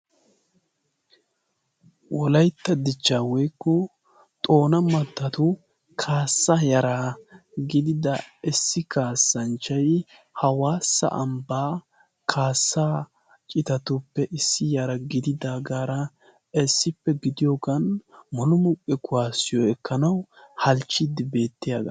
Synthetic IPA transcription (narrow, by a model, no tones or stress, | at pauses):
wɔlɐjt̪ːɐd̪ɪt͡ʃːaːwɔjkːɔ | t̪ʼo̞ːnɐmɐt̪ːɐt̪ʊ | kʰaːsːɐjɐɾaːɡɪd̪ɪd̪ɐɪsːɪkaːsːɐnt͡ʃːɐj | hɐwaːsɐ̰ʔɐ̰mbaː | kʰaːsːaː | t͡ʃʼɪt̪ɐt̪ʊpːɛʔɪsːɪjɐɾɐɡɪd̪ɪd̪aːɡaːɾɐ | ɛsːɪpːɛɡɪd̪ɪjoɡɐnmɔnʊmʊkʼːɛkʊwaːsɪjɔɛkːɐnɐwhɐlt͡ʃːɪd̪ɪbe̞ːt̪ːɪja̰ːɡɐ̰